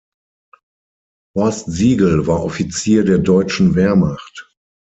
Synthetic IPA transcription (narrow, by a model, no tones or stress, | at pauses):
hɔstziːɡl̩vaːɐʔɔfit͡siːɐdeːɐdɔʏt͡ʃn̩veːɐmaχt